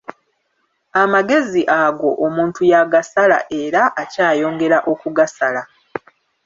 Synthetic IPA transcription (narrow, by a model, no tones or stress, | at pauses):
amaɡe̞ziʔaɡo̞ʔomuːntujaɡasala̰ʔe̞ɾaʔːcaːjo̞ːŋɡe̞ɾaʔo̞kuɡasala